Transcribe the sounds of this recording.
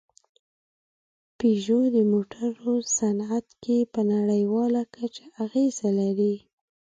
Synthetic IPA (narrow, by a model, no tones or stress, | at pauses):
peʒod̪əmoʈʰaɾosanat̪kepənaɽəjwɑlakʰat͡ʃaaɣezalaɾi